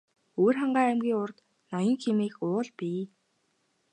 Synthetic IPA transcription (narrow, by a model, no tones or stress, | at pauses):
oːrχaɴɢaːæmɡʲiːŋʊrt̪ | nɔjɞ̆ŋxʰemiːkʊːɮpiː